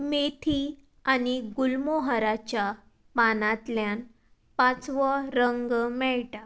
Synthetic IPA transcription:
met̪ʰi | aniɡulmoɦəɾat͡ɕja | panãt̪ljan | pãt͡sʋɔɾəŋɡmɛɭʈa

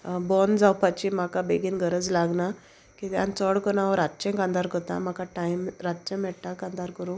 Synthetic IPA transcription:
bɔnd͡zawpat͡ɕim̤akabeɡinɡəɾəd͡zlaɡna | kit̪ja̰nt͡sɔɽkənaʋɔɾat̪ːt͡ɕẽkãnd̪aɾkət̪a̰m̤akaʈaimɾat̪ːt͡ɕẽmɛɽʈakãnd̪aɾkəɾũ

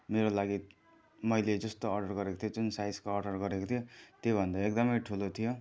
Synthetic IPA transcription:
meɾolaɡi | mʌjled͡zʌst̪oʌrɖʌrɡʌɾekot̪ʰijod͡zunsajskoːrɖʌrɡʌɾekot̪ʰijot̪jobʱʌnd̪aek̚d̪ʌmʌjʈʰulot̪ʰijo

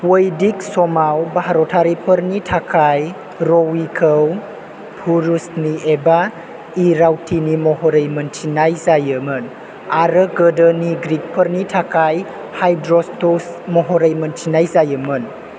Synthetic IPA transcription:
wojdik̚sɔmawbaɦaɾɔtʰaɾipʰəɾnitʰakʰaj | ɾowikʰəw | pʰuɾusnieba | iɾawtʰinimɔɦɔɾejməntʰinajzajɯmɯn | aɾəɡədəniɡɾik̚pʰəɾnitʰakaj | hajdɾɔstosmɔɦɔɾəjmənt͡ʃʰinajzajəmən

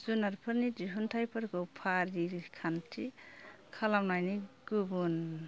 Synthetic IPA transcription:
zunaɾpʰəɾnidiɦuntʰajpʰaɾkɔpʰaɾikʰantʰikʰalamnajniɡubun

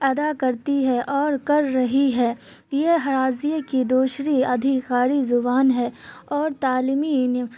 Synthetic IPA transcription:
ɐd̪akɐɾt̪iɦɛʔɔːɾkɐɾːɐɦiɦɛː | jeɦɐɾaːzikid̪oːʃɾiɐd̪ʱɪkaːɾizʊbaːnɦɛːɔːɾt̪aːliːmin

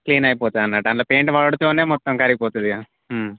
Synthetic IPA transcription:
kliːnaːjipoːt̪aɐnːaːʈɐnlɐpeːɳʈʋaːɭɽut̪oːneːmɔt̪ːɐmkɐɾiɡipoːt̪ud̪iaː

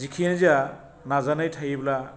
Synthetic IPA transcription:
zikʰinzia | nazanajtʰajibla

